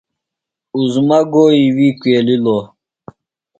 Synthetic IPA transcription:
uzmɐɡoːiwikweːlilo

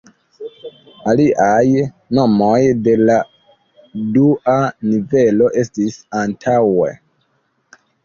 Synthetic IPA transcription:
aliʔaj | no̞mojde̞la | duʔanive̞lo̞ʔe̞stisantʰawḛ

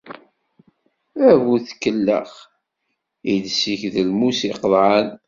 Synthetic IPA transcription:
ævuθkːəlːə̰χ | id̪siçðəlmusiqðˤʕan

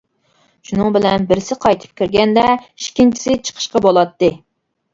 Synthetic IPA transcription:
ʃunɨŋbɪlɛnbɪɾsɪqʰɑjt̪ʰɨ̥p̚kʲiɾɡʲɛnd̪ɛiʃkʲʰint͡ʃʰi̥sɪt͡ʃʰə̥qʰə̥ʃqɑbolˠɑt̪ːɨ

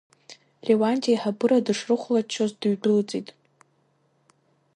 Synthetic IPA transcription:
lʲewantʰʼiajħabɨɾadɨʂrɨχʷlat͡ʃʰːozdɨɥɡɨlt͡sʼitʼ

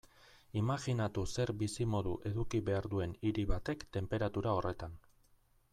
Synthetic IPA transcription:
imaɣinat̪use̞ɾbisimo̞ðuʔe̞ðukiβe̞aɾðue̞niɾiβat̪e̞kt̪e̞mpe̞ɾat̪uɾao̞re̞t̪an

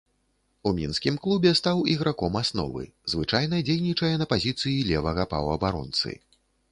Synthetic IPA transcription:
umʲinskʲimklˠubʲɛst̪awiɣɾakɔmasnɔ̰vɨ̰zvɨt͡ʂajnɐd͡zʲejnʲit͡ʂɐjɛnɐpazʲit̪sɨjilʲɛvɐɣɐpɐ̰wɐbaɾɔ̰nt̪sɨ̰

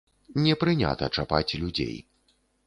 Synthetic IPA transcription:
nʲɛpɾɨnʲa̰t̪ɐt͡ʂapat͡sʲlʲud͡zʲḛj

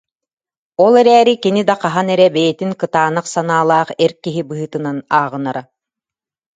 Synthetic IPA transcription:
ɔlˠɛɾɛːɾikinid̪aqaɦanɛɾɛbɛjɛt̪iŋkɯt̪aːnaqsanaːlˠaːχɛɾkiɦibɯɦɯt̪ɯnanaːʁɯnaɾa

